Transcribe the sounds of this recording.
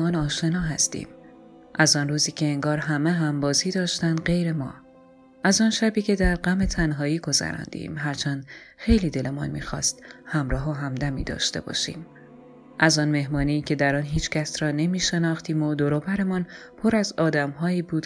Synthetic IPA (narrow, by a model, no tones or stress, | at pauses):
ɒːnɒːʃe̞nɒːɦæst̪ḭːm | ʔæzɒːnruːziːcʰeːŋɡɒːɾɦæmeɦæmbɒːziːd̪ɒːʃt̪ænd̪ɢe̞jɾe̞mɒ̰ː | ʔæzɒːnʃæbiːcʰe̞d̪æɾɢæme̞t̪ʰænɦɒːiːɡo̞zæ̰ɾɒ̰ːnd̪ḭːmɦæɾt͡ʃʰænd̪xe̞jliːd̪e̞le̞mɒ̰ːnmḭːxɒːst̪hæmɾɒːɦoɦæmd̪æmḭːd̪ɒ̰ːʃt̪e̞̰bɒ̰ːʃḭːm | ʔæzɒːnme̞hmɒːniːcʰe̞d̪æɾɒːnɦiːt͡ʃcʰæsɾɒːne̞miːʃe̞nɒːxt̪iːmod̪oɾobæɾe̞mɒnpʰo̞ɾæzɒːd̪æmɦɒːiːbuːd̪̥